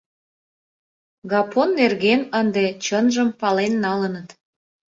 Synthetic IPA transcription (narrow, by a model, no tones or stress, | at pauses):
ɣɑpʰonːerɣenənd̪et͡ɕənʒəmpɑlenːɑlənət̪